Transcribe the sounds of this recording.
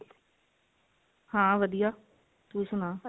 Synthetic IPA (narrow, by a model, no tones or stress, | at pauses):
hãːʋəd̪ijaː | t̪uːsʊnaː